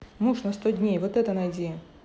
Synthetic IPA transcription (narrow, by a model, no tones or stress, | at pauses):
muʂnɐst̪odʲnʲejvot̪ɛt̪ənɐjd͡zʲe